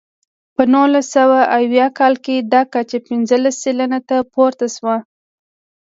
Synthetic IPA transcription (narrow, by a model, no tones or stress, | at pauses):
pənulasːawaʔawjɑkɑlked̪ɑkat͡ʃapɪnzəlasːelanat̪apoɾt̪aswa